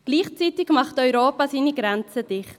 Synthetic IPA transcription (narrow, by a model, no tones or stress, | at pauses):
ɡ̥liːχt͡sitɪɡmɑχtɔʏɾoːpasiːniɡʁɛnt͡səd̥ɪχt